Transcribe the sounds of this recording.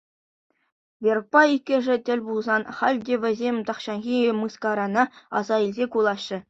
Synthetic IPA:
vʲer̚pɑikʲːɘ̆ʐɘ̆tʲɘ̆lʲbulˠzɑnχɑlʲdʲeʋʲɘ̆zʲemʲt̪ɑχɕɑnʁʲiemɯskɑɾɑnɑɑ̰zɑilʲzʲekulˠɑɕːɘ̆

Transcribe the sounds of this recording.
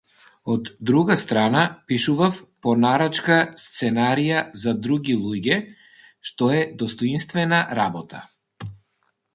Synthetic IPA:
ɔd̪ːɾuɡast̪ɾanapiʃuvafpɔnaɾat͡ʃkast̪sɛnaɾijazad̪ɾuɡʲilˠuɟɛ | ʃt̪ɔɛd̪ɔst̪ɔinst̪vɛnaɾabɔt̪ʰa̰

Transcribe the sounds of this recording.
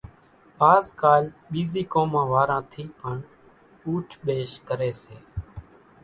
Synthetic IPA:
aːzkaːlɓiːziːkõːmãːʋaːɾãːt̪ʰiːpəɳ | uːʈʰɓeːʃkəɾeːseː

